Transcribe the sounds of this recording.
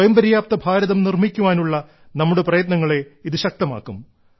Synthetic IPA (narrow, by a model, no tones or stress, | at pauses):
jɐmbɐɾjaːp̚t̪ɐbʱaːɾɐðɐmnirmikʲːuʋaːnuɭːɐ | nɐmːuɽe̞prɐjɐt̪nɐŋːɐɭe̞iðɨɕɐk̚t̪ɐma̰ːkːum